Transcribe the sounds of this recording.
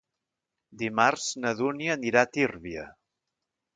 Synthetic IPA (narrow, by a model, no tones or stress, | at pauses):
d̪imarz̥nəðuniəːniɾat̪irβiə̰